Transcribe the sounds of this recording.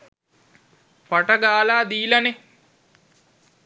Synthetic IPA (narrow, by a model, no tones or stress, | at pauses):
paʈəɡaːlaːd̪iːlane